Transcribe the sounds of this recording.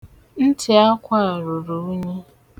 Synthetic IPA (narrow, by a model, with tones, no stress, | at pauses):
n̩˦tʰɪ˨a˦kʷa˦n̩˨ɾu˨ɾu˨u˦ɲe˦